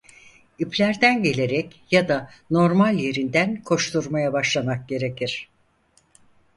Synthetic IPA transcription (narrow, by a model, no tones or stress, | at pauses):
ipʰlʲæɾd̪ænɟe̞lʲe̞ɾɛcjad̪ano̞ɾmalʲje̞ɾind̪ænkʰo̞ʃt̪ʰuɾmajabaʃlˠamak̚ɟe̞ɾe̞cʰiɾ̥